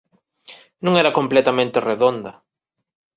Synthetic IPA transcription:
nũŋɛɾɐkomplet̪amẽnt̪ereðond̪ɐ

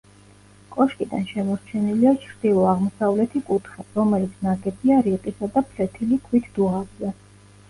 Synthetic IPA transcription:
kʼɔʃkʼid̪a̰nʃɛmɔɾt͡ʃʰɛniliat͡ʃʰɾd̪̥ilˠɔaʁmɔsavlɛt̪ʰikʼut̪ʰχaɾɔmɛlit̪sʰnaɡɛbiaɾiqʼisad̪apʰlɛt̪ʰilikʰwit̪ʰd̪̥uʁabzɛ

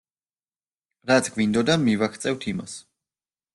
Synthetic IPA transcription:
ɾat̪sʰɡvind̪ɔd̪amivakʰt̪sʼɛvt̪ʰima̰s

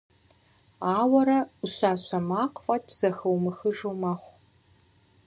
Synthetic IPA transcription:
aːwɐɾɐʊɕaːɕɐmaːqʼfʼɐtʰz̥ɐxɐwmɨxɨʒowmɐχʷ

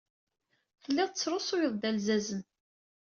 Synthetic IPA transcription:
θəlːɪʁˤt͡sːɾˤosˤʊjəðˤd̪ælzæzən

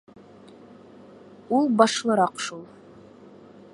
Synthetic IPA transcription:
ulˠbɑʃlˠɤɾɑqʃulˠ

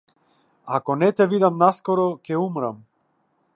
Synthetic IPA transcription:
akɔnɛt̪ɛvid̪amnaskɔɾɔcɛumɾam

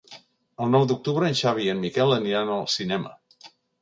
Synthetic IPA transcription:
əlˠnɔwd̪uk̚t̪uβɾəːnʲʃaβ̞iənmikɛlˠəniɾanəlˠsinɛmə̰

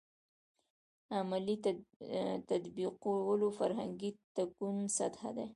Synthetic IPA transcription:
amali | t̪ad̪biqowəlofaɾɦaŋɡit̪akunsat̪ha̰d̪e

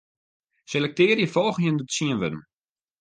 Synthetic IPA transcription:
selɛk̚tɪːərjəfɔlˠx̩jəndətsiənʋɪdəm

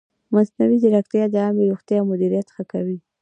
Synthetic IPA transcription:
masnawid̪əɾakt̪jɑd̪əɑmeɾoxt̪jɑwmʊd̪iɾijat̪xəkawi

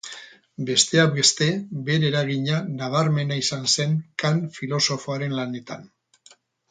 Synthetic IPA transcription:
be̞st̪e̞aɡe̞st̪e̞be̞ɾeɾaɣ̞iɲanaβ̞aɾme̞naisanse̞ŋkanfilo̞so̞fo̞aɾe̞nlane̞t̪a̰n

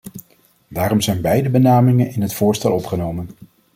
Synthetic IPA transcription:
daːrɔmzɛjnbɛjdəbənaːmɪŋənɪnɦətfʊːɹstɛ̰lˠɔpχənowmən

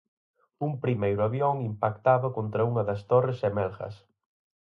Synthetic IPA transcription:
umpɾimejɾʊaβjɔŋimpakt̪aβɐkont̪ɾɐuŋɐðɐst̪oresɛmɛlxɐ̰s

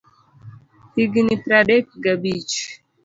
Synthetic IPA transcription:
t̪iɡinit̪ɾaɖek̚ɡabit͡ʃ

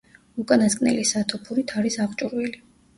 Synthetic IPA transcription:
ukʼanaskʼnɛ̰lisat̪ʰɔpʰuɾit̪ʰaɾisaʁt͡ʃʼuɾwili

